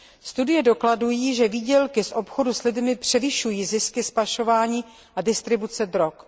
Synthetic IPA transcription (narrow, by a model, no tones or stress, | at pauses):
st̪udɪjɛdo̞kladujiːʒɛviːɟɛlkɪsʔo̞pxo̞duslɪdmɪpr̝̥ɛvɪʃujiːzɪskɪspaʃo̞vaːɲiː | ʔadɪst̪ɾɪbut͡sɛd̪ɾok